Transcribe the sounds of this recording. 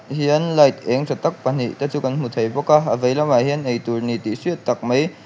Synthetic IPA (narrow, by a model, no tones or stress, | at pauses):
hiənlajt̪̚ʔɛŋsʰɔt̪ak̚pan̥ḭt̪at͡sukanmut̪ʰəjbɔkaːʔəvəjlawmaːhiənʔəjt̪urnit̪iswiət̪̚ːɐk̚məj